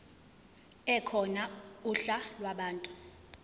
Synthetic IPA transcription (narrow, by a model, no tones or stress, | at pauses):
ɛkʰɔnauɬalwaɓaːntʼu